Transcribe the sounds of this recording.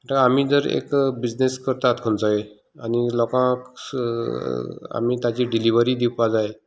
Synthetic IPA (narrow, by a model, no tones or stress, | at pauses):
ʈaamid͡zəɾḛkbid͡ʑneskəɾt̪at̪kʰənt͡saɦe | anilɔkãk | a̰mit̪at͡ɕiɖiliʋəɾiːd̪iwpad͡zaje